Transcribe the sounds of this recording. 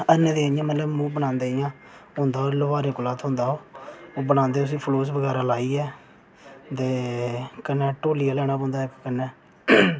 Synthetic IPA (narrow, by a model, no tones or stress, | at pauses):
ənẽːd̪eːjãːmət̪ləbmũːbənãːnd̪eːɪjãː | ɦʊ̃nd̪aːoːlʊʋaːɾẽːkʊlaːt̪ʰɦʊ̃ːnd̪aːoːoːbənãːnd̪eːʊs̬ĩːpʰloːsbəɡɛːɾaːlaːiːɛː | t̪eːkənːɛːʈoːlijaːlɛːɽ̃aːpɔ̃ːnd̪aːɪkkənːɛː